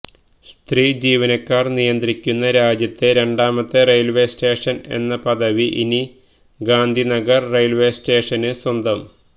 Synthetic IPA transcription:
st̪riːd͡ʑiːʋɐnɐkːaːrnijɐnd̪rikʲːunːɐɾaːd͡ʑjɐt̪ːeɾe̞ɳɖaːmɐt̪ːerejlʋe̞ːsʈe̞ːʂɐne̞̰nːɐpɐd̪ɐʋiʔḭni | ɡaːnd̪ʱinɐɡɐrːejlʋe̞ːsʈe̞ːʂɐnɨswɐnd̪ɐm

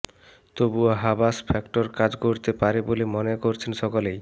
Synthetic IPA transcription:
t̪obuaɦabaspʰɛkʈoɾkad͡ʑkoɾt̪epaɾebolemonekoɾt͡ɕʰenʃɔkolej

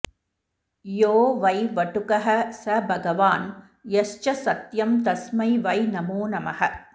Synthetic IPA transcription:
joːʋɐjʋɐʈukɐɦɐsɐbʱɐɡɐʋaːn | jɐst͡ʃɐsɐt̪jɐmt̪ɐsmɐɪʋɐjnɐmoːnɐmɐhɐ

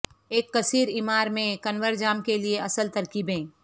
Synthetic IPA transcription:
eːkːɐsiːɾɪmaːɾmẽkɐnʋəɾd͡ʒaːmkelieɐsəlt̪ɐɾkiːbɦẽː

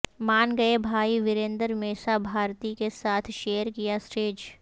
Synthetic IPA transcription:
maːnɡɐebʱaːiʋɪɾẽːnd̪əɾmeːsabʱaːɾt̪ikesaːt̪ʰʃeːəɾkijasʈeːd͡ʒ

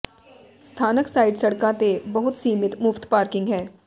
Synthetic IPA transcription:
st̪ʰaːnəksaːɪɖsɐɽkãt̪ebɐɦʊt̪siːmɪt̪mʊft̪paːɾkɪ̃ŋɡɦɛ̃ː

